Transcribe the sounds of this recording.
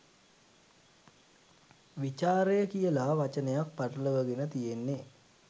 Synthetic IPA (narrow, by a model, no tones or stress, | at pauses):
ʋit͡ʃaːɾejəkijəlaʋat͡ʃənəjak̚paʈələʋəɡenət̪ijenːe